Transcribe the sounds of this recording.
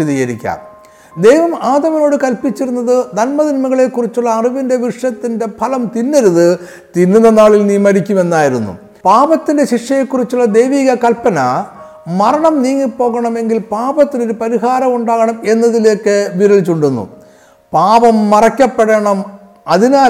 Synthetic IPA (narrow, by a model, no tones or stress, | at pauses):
iðijɐɾḭkʲːa̰ːm | d̪e̞jʋɐmaːd̪ɐʋino̞ːɽɨkɐlpit͡ɕːiɾunːɐðɨd̪ɐnmɐðinmɐɣɐɭe̞kːurit͡ɕːuɭːɐːriʋinde̞ʋiʂjɐt̪ːinde̞pʰɐlɐmt̪inːeɾuðɨ | t̪inːunːɐnaːɭilniːmɐɾikʲːume̞nːaːjiɾunːṵ | paːbɐt̪ːinde̞ɕiʂjɐjekːurit͡ɕːuɭːɐd̪ejʋiːɣɐkɐlpɐnɐ | mɐɾɐɳɐmniːŋːipːo̞ːɣɐɳɐme̞ŋɡilpaːbɐt̪ːino̞ɾupɐɾiɦaːɾɐmuɳɖaːɣɐɳɐme̞nːɐðile̞ːkːɨʋiɾɐɭit͡ɕːuɳɖunːṵ | paːʋɐmːɐrɐkʲːɐpːeɽɐɳɐm | ɐðinaː